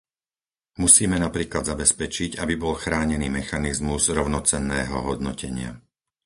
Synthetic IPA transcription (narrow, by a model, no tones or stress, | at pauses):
musiːmɛnapɾiːklad̪zabɛspɛt͡ʃiɟabibɔlxɾaːɲɛniːmɛxanizmuzɾɔʊnɔt͡sɛnːɛːɦɔ̰ɦɔd̪nɔcɛɲɪa̰